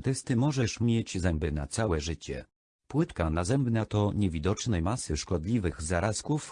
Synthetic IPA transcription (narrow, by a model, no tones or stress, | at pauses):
t̪ɛst̪ɘmɔʐɛʂmʲjed͡ʑzɛmbɘna̰t̪sawɛʐɘt͡ɕɛ̰ | pwɘt̪kanazɛmbnat̪ɔɲɛvʲid̪ɔt͡ʂnɛjmasɘʂkɔd̪lʲivɘɣzaɾaskuf